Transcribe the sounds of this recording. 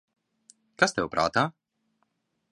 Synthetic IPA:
kast̪ɛupɾʔa̰ːt̪a

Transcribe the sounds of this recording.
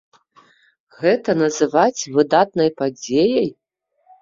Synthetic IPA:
ɣɛt̪ɐnɐzɨvat͡sʲvɨd̪at̪nɐjpad͡zʲejɐj

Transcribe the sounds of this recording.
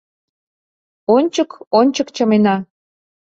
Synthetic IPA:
onʲt͡ɕəkonʲt͡ɕəkt͡ɕəmenɑ

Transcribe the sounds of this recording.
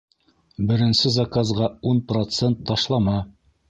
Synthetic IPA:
bɘ̆ɾɘ̆nsɘzakazʁɑunprot̪sent̪ʰːɑʃlˠɑmɑ

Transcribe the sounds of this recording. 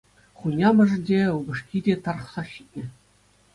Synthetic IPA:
χunʲɑmʲɘ̆ʐɘ̆nʲdʲeubɤ̆ʂkʲidʲet̪ɑr̆χsɑɕi̥t̪̚ʲnʲɘ̆

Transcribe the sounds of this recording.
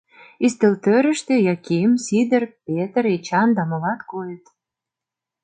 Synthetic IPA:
ist̪elt̪øɾə̆ʃt̪ĕjɑkeəmsid̪ə̆rpet̪əɾet͡ɕɑnd̪ɑmɤ̆lɑt̪kojə̆t̪

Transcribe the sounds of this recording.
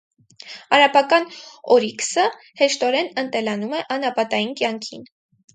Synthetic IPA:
ɑɾɑpɑkɑnɔɾiksə | hɛʃt̪ɔɾɛnənt̪ɛlɑnumɛʔɑnɑpɑt̪ɑjinkjɑŋkʰḭn

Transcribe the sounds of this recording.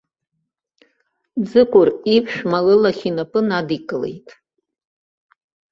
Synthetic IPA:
d͡zɨkʷʼʊripʰʃᶣmalɨlaχʲinapʼɨnadikʼɨle̞̰jtʼ

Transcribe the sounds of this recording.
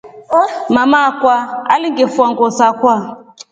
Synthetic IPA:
mamakwaaliŋɡefuaŋɡɔsakwa

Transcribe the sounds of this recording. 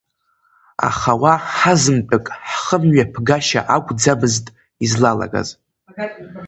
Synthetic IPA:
a̰χawaħazɨmt͡pʼɨkʼħχəmɥapʰɡaʃa̰ʔaɡʷʰʼd͡zabɨztʼ | izlala̰ɡa̰z

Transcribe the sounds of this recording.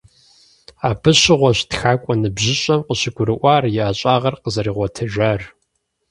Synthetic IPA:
aːbɨɕɪʁʷɔɕtxaːkʷʼɔnɨbʑɪɕʼɐmqəɕɪɡʷʊɾɨʔʷɑːrjɪaːɕʼaːʁɐrqəzɐɾiːʁʷɔtʰɨʒɐr

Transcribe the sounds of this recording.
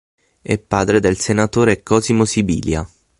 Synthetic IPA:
ɛ̰pːaːd̪ɾed̪elsenat̪oːɾekːɔːzimosibḭːlja̰

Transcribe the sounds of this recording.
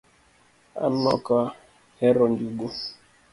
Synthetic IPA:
a̰nɔ̰ka | hɛɾɔnduɡo

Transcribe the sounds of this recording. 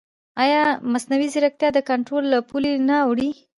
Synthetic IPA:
ajɑmasnawizɪɾak̚t̪jɑd̪əkaɳʈɾolːapulenaawɽi

